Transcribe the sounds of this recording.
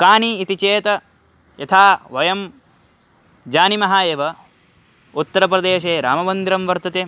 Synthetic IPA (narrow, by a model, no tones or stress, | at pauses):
kaːniːt̪it͡ʃeːt̪ɐ | jɐt̪ʰaːʋɐjɐm | d͡ʒaːnimɐɦaːeːʋɐ | ut̪ːɐɾɐp̬ɾɐd̪eːʃeːɾa̰ːmɐʋɐnd̪iɾɐmʋɐɾt̪ɐt̪eː